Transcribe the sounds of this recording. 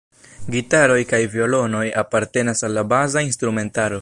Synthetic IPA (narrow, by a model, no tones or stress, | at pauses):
ɡitaɾo̞jkajvio̞lo̞no̞japaɾte̞nasalːabazainstɾume̞ntaɾo